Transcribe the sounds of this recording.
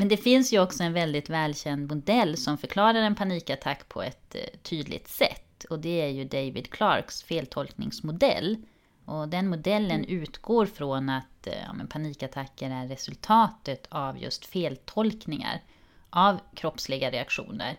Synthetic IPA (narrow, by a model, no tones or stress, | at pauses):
mɛnd̪ɛfɪnsjɵɔksɔɛnvɛld̪ɪt̪vɛːlɕɛnd̪mʊd̪ɛlːsɔmfœɾkʰlɑːɾaɾɛnpʰaniːkat̪ʰakːpʰɔ̰ɛ̰t̪ʰːyːd̪lʔɪ̰t̪sɛ̰t̪ːɔd̪ɛæɾjɵd̪ɛjvɪd̪kʰlɑ̰ɾksfeːlt̪ʰɔlknɪ̰ŋsmʊd̪ɛ̰lː | ʔɔd̪ɛnmʊd̪ɛlːənʉ̟ːt̪ɡ̥oːɾfɾɔnat̪jɑ̰ːmɛ̰npʰaniːkat̪ʰakːəɾæɾːɛsɵlt̪ʰɑːt̪ət̪ʰavjɵ̰st̪feːlt̪ʰɔlknɪŋa̰ɾ | ʔavkʰɾɔpslɪɡaɾɛakɧṵːnə̰ɾ